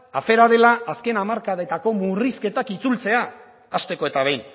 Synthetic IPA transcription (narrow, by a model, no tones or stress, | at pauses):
afe̞ɾaðe̞laːske̞namaɾkaðe̞t̪ako̞muriske̞t̪akit͡sult͡se̞aː | st̪e̞ko̞e̞t̪aβejn